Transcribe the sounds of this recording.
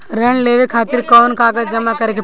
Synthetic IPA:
ɾɐɳleːʋekʰaːt̪ɪɾkɔːnkaːɡəd͡ʒɐmakɐɾekʰe

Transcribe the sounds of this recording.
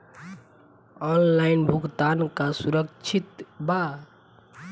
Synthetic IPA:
ɔnlajnbʱukt̪ankasuɾəkt͡ʃʰit̪ba

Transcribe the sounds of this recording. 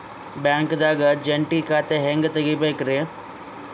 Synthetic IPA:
bãːŋkd̪aːɡəd͡ʒeɳʈiːkaːt̪eɦeŋɡt̪əɡibekɾe

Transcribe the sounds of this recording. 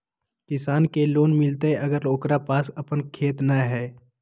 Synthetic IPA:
kɪsaːnkeloːnmɪlt̪eɦɛʔɐɡəɾloːkɾapaːsɐpənkʰeːt̪naɦɛː

